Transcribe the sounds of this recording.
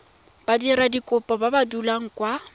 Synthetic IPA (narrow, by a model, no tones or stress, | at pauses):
b̥adiɾadikʼʊpʼɔbabadulaŋ̩kʼwa